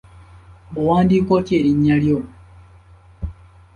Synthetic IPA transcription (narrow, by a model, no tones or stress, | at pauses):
bowaːndikɔteɾiɲaljo